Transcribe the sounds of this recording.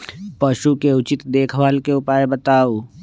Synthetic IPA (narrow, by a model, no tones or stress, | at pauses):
pəʃukeʊt͡ʃɪt̪d̪eːkʰʋaːlkeʊpaːebət̪aːoː